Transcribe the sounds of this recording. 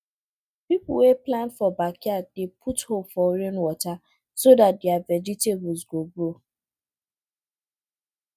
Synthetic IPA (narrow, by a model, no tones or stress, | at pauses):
pipʊl̩weplanfɔbakjadepʰuthofɔɾenwɔta | sodat̚deavɛd͡ʒiteb̩zɡoɡɾo